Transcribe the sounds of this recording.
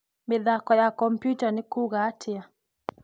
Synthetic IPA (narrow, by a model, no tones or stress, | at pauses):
mɪðakɔjakɔmpjutanɪkuɣaːtʰɪa